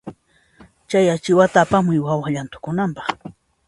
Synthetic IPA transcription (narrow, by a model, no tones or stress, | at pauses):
t͡ʃajat͡ʃɪwat̪aːpamʊjwawaʎant̪ʊ̥kʊnampɑχ